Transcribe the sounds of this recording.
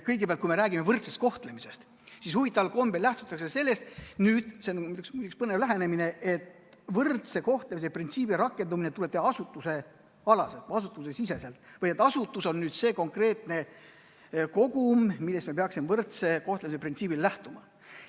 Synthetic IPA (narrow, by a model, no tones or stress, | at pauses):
kɤjɡepeɑlt̪kujme̞ɾæːɡime̞vɤrt̪sest̪ko̞ht̪le̞mise̞st̪ | sishuvit̪ːˑɑvɑlko̞mbelæht̪u̥t̪ːˑɑkse̞se̞lːe̞st̪nyːd̪̥senmt̪uksmyt̪ːˑukspɤnevlæɦene̞mine̞et̪ | vɤrt̪se̞ko̞ht̪lemiseprint̪siːbiɾɑkːˑe̞nd̪umine̞t̪uleb̥̚t̪ehɑɑsut̪ːˑuse̞ | ɑlɑselt̪ɑsut̪ːˑus̬e̞sise̞se̞lt̪vɤjet̪ːˑɑsut̪ːˑuso̞nːyːd̪̥se̞ːko̞ŋkre̞ːt̪ne̞ | ko̞ɡ̥ummilːest̪mepeɑksimevɤrt̪se̞ko̞ht̪lemiseprint̪siːbillæht̪umɑ